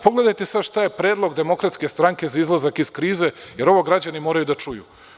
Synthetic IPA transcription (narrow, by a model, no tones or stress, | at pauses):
po̞ɡle̞d̪ajt̪esad̪ʃt̪ajepɾeːd̪lˠo̞ɡd̪e̞mo̞kɾat̪ske̞st̪ɾaŋke̞zaizlˠazakiskɾiːze̞je̞ɾo̞ʋo̞ɡɾad͡ʑanimo̞ːɾajud̪at͡ʃujṵ